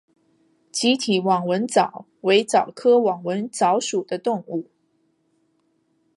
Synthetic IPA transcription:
t͡ɕi˧˥t̪ʰi˨˩wɑ˨˩ŋwə˧˥nt͡sɑ˨˩˦ʊ | we˧˥ɪt͡sɑ˨˩ʊkʰɤ˥wɑ˨˩ŋwə˧˥nt͡sɑ˧˥ʊʂu˨˩d̪ə˦t̪ʊ˥˧ŋu˥˩

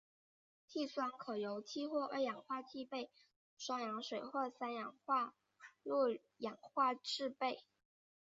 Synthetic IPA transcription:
t̪ʰi˥˩swa˥nkʰɤ˨˩jo˧˥ʊt͡ɕʰi˥xwɔ˥˩ʔə˞˧˥jɑ˨˩ŋxwa˥˧t͡ɕʰi˥˧pe˥˩ɪ | ʂwɑ˥ŋjɑ˧˥ŋʂwe˨˩ɪxɔ˥˩sa˥njɑ˨˩˥ŋxwa˥˧ | lɔ˥˩ | jɑ˨˩ŋxwa˥˧ʈ͡ʂɻ̩˥˧pe˥˩ɪ

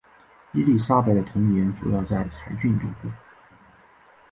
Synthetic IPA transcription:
i˥li˥˩ʂa˥pa˥˩ɪd̪ə˨˩t̪ʰʊ˧˥ŋi˧˩jɛ˧˥nt͡sṵ˨˥jɑ˥˧ʊt͡sa˥˩ɪt͡sʰa˧˥ɪt͡ɕy˥˧nt̪u˥˩ku˥˩˦

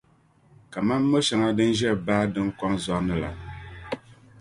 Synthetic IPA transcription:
ka˨ma˦mː˦o˦ʃɛ˨ŋa˦dɨ˦n˦ʒɛ˦˨baː˦dɨ˦ŋ˦kɔ˦nzɔ˦ʔnɨ˦la̰˨

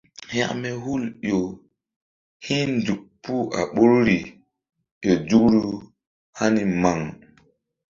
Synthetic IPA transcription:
hja̰˦˨ʔmɛ˦hu˦˨ljo˨ | hi˦ndu˨k̚pu˦ʔa̰˨ɓo˦ɾɾi˨ | jo˨d͡ʒu˦kɾu˦ | ha˦ni˦ma˨ŋ

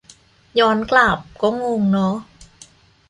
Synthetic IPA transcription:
jɔː˦˥nkla˨˩p̚kɔː˥˩ŋuː˧ŋnɔ˦˥

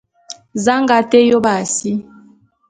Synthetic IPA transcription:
za˦ŋɡa˨˦te˦jo˦ba˨si˦

